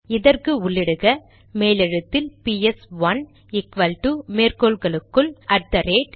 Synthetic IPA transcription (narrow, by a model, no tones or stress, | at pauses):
ɪðɐrkɯʊɭːɪɽɯɣɐ | meːlɪɻɐt̪ːɪlpiɛsʋɐn | ɪkʋɐlʈumeːrkoːlɣɐɭɯkːɯɭʔɐɾ̚t̪ɐɾeːʈ